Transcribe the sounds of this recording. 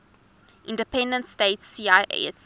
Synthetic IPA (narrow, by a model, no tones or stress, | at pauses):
ʔɪ̃ndəpʰɛ̃ndə̃ntsteɪtsiːaɪɛs